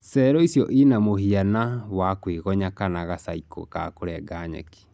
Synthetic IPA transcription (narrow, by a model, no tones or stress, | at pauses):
sɛɾɔisjɔʔinamoɦianawakweɣɔɲakanaɣasaikɔ̰kakoɾɛɡaɲɛ̰ki̥